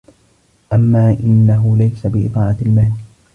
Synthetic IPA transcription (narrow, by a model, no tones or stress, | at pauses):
ʔamːaːʔɪnːaɦʊlajsabɪʔɪ̰t̪ˤɑːʕaɪlmaːl